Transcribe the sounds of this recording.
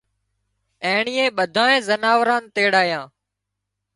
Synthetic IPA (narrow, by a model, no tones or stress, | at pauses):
ẽːɳiːẽːɓəd̪ʱaːẽːzənaːʋɾãːnt̪eːɽaːjãː